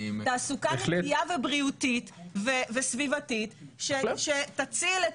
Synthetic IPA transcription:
taːsukaeleiavebʁiutit̪vevesvivat̪itʃeʃetat͡sile

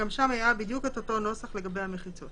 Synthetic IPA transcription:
amʃamhajabidjuketo̞to̞no̞saχle̞ɡabejhameχit͡so̞t

